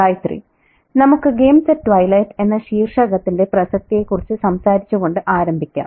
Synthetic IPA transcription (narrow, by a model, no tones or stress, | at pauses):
aːjt̪rḭ | nɐmukːɨɡe̞ːmsɐtːʋɐjlɐjte̞nːɐɕiːrʂɐɣɐt̪ːinde̞prɐsɐk̚t̪ije̞kːurit͡ɕːɨsɐmsaːɾit͡ɕːuɣo̞ɳɖɨʔaːɾɐmbʱikʲːa̰ː